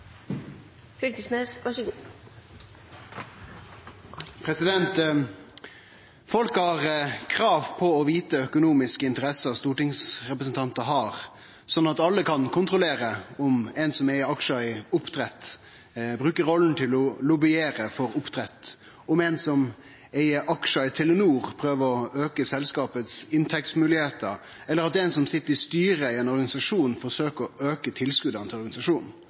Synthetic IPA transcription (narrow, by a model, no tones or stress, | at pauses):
fʏlkəsneːsʋɑʂɡ | pʰɾɛsɪd̪ɛnt̪ | fɔlkhɑʁkʰɾɑːʋpʰɔɔʋiːt̪əœkʊnuːmɪskəɪnt̪əɾɛsəʁst̪uːʈɪŋsʁɛpɾəs̬n̩t̪ʰɑnt̪əɦɑːʁ | sɔnːɑt̪ɑlːəkʰɑnkʰʊnt̪ɾʊleːɾəʊmɛnsɔmɛɑkʃɑɪʊpt̪ʰɾɛt̪ː | bɾʉːkəɾɔlːən̩t̪ʰɪlɔlʊbɪeːɾəfɔɾʊpt̪ʰɾɛt̪ː | ɔmɛnsɔm | eɪəʔɑkʂɑɪt̪ʰɪlːnuːʁpʰɾøːʋəɾɔøːkəsɛlskɑːpət̪sɪnt̪ʰɛkst̪mʉːlɪheːt̪əɾ | ɛlːəɾɑt̪ɛnsɔmsɪt̪ːəɾɪst̪yːɾəɪɛnɔɾɡɑnɪsɑʂuːnfɔsøːkəɾɔøːkət̪ʰɪlskʉd̪ɑnt̪ʰɪlɔɾɡɑnɪsɑʂuːnn̩